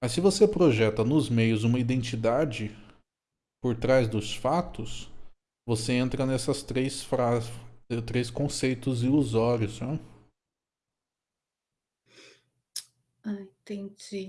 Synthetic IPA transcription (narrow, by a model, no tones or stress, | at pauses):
mɐssɪvosepɾoʒɛt̪ɐnʊzmejʊzũmɐid̪ẽnt͡ʃid̪ad͡ʒɪ | poɾt̪ɾazd̪ʊsfat̪ʊs | voseẽnt̪ɾɐnɛsɐst̪ɾejsfɾazɛt̪ɾejskõsejt̪ʊzɪuzɔɾʊsɛ | aĩt̪ẽd͡ʒi